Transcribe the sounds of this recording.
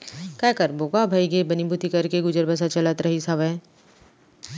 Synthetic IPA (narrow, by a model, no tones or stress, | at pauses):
kaːkəɾboːɡabʱaiɡebɐnibʱut̪ikɐɾkeɡʊd͡ʒəɾbəs̬at͡ʃɐlət̪ɾɐɦisaʋe